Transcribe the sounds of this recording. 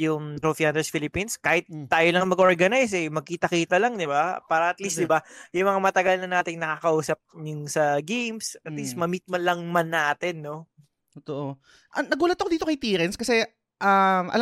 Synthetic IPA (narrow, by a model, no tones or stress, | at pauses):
jʊŋt̪ɾofiaːnd̪ɛsfilɪpinskaːhɪt̪̚ːaːjolɐŋmɐɡʔo̞ɹɡɐnajsɛmɐɡ̚kiːt̪ɐkiːt̪ɐlɐŋd̪ɪbapaːɾɐʔɐt̪listd̪ɪbajʊŋmɐŋamɐt̪ɐɡalnɐnaːt̪ɪŋnɐkakɐʔuːsɐp̚nʊŋsɐɡejmsɐt̪list̪mɐmit̪̚mɐlɐŋmanːaːt̪ɛnːo̞ | t̪oʔo | ʔɐnɐɡuːlɐt̪ːɐkod̪iːt̪okɐjt̪iːɾɛnskɐsɛ | ʔamʔɐ̰l